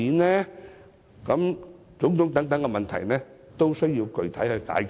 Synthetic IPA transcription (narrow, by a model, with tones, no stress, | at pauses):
iː˨˧nɛː˥ | kɐ˨˥m | t͡sʊ˨˥ŋt̪ʰʊ˨˥ŋt̪ɐ˨˥ŋt̪ɐ˨˥ŋkɛ˧mɐ˨nt̪ʰɐ̰˨˩jnɛː˦˥ | t̪o˥wsɵ˥ɥji˧wkɵ˨˧ɥt̪ʰɐ˨˥jhɵ˧jka̰ː˨˥